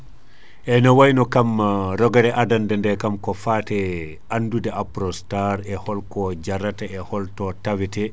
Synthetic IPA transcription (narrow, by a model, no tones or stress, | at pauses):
ʔɛnawajnɔkamɾɔɡaɾɛʔadandɛndɛkamkɔfatɛ | ʔanːdudɛʔapɾɔstaɾɛhɔlkɔd͡ʒaɾataɛhɔltɔtawitɛ